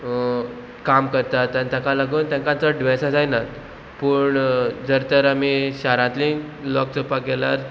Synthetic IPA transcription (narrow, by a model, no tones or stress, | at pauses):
kamkəɾt̪at̪ːãnt̪ãkalaɡuːnt̪ãŋkãnt͡səɖʋɛsad͡zajnat̪ | puːɳd͡zəɾt̪əɾamiːɕaɾãt̪li | lɔksopaɡɛlaɾ